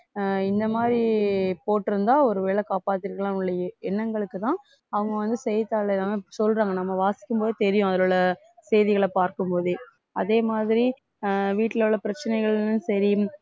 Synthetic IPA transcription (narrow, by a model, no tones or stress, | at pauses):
ɪnd̪ɐmaːdɾipoːʈːɯɾɯnd̪aːɔɾɯʋeːɭɐkaːpaːt̪ːɪɾɯkːɐɭãːʊɭːɐjɐɛnːɐŋɡɐɭɯkːɯt̪ãː | ɐʋɯŋɡɐʋɐnd̪ɯsɛjɐt̪ːaːɭlaːmɐsɔlraːŋɡɐnɐmːɐʋaːsɪ̥kʲːɯmpoːðɯt̪ɛɾɪjʊ̃ɐðɐlɔɭɐ | sɛjðɪɣɐɭɐpaːɾkɯmpoːðɯ | ɐðeːmaːðɪɾi | ʋiːʈːɪlɯɭːɐpɪɾɐt͡ʃːɐnɐɪɣɐɭnɯnsɐɾi